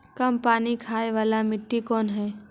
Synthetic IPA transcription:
kɐmpaːnikʰaːeʋaːlamɪʈːikɔːnɦɛː

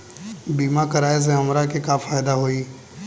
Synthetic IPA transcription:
biːmakəɾaːes̬ẽɦɐmɾakekafaːjd̪aɦoiː

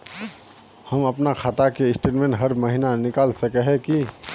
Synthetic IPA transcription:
həməpnakʰaːt̪akeɪsʈeːʈmẽːɳʈɦəɾməɦinanɪkaːlsəkɛɦɛ̃ki

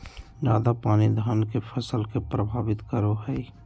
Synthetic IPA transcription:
d͡ʒaːd̪apaːnid̪ʱankepʰəsəlkepɾəbʱaːbɪt̪kəɾoɦɛi

